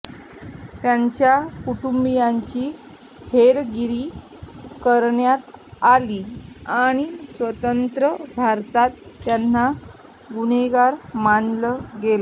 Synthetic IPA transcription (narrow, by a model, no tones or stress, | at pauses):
t̪jaɲt͡ɕjakuʈumbijaɲt͡ɕiː | heɾɡiɾiː | kəɾɳjat̪aliːaɽ̃isʋət̪ənt̪ɾəbʱaɾt̪at̪ːjan̤ːa | ɡuñeɡaɾmanləɡela